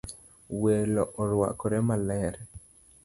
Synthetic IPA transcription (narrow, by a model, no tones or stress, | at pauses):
welɔʔɔɾwa̰kɔɾɛmalɛɾɛ